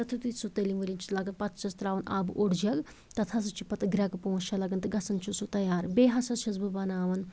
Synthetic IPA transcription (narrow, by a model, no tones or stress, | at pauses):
ɐt̪ʰut̪isut̪elimʋɐlʲint͡ʃʰi̥lɐɡɐnpɐt̪ʰt͡ʃɐst̪ɾaːʋɐnʔa̰ːbʔoɽd͡ʒɐɡ | t̪ɐt̪ʰɐs̬ɐt͡ʃʰipɐt̪ɡɾʲɐɡpoɦũʃɐlɐɡɐnt̪ɨɡɐsɐnt͡ʃʰusut̪ɐjaːɾbeːɦɐsɐʃɐzbɨbɐnaːʋɐn